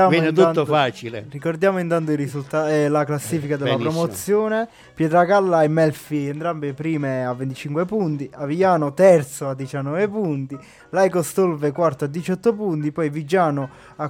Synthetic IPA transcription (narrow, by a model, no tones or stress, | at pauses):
avnet̪unːot̪faːt͡ʃilḛrikord̪jaːmoint̪ant̪̬oirizult̪alaklasːiːfikad̪elːapɾomot̪sːjoːne | pjɛt̪ɾaɡalːaɛmːɛlfiɛnt̪ɾambepɾiːmeavːent̪it͡ʃiŋkwepunt̪iavijaːnot̪ɛrt̪soad̪ːit͡ʃanːɔvepunt̪i | lajkost̪olvekwart̪oad̪ːit͡ʃɔt̪ːopunt̪ipɔjvid͡ʒaːno | a